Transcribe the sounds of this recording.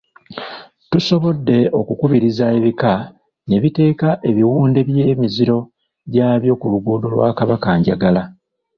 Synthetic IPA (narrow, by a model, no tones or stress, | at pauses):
tuso̞βo̞dːe̞o̞kukuβiɾizae̞βika | ne̞βite̞ːkaʔe̞βiwuːnde̞βje̞ːmiziɾo̞ | ɟaːβjo̞kuluɡuːdo̞lwa̰ːkaβakaɲɟaɡala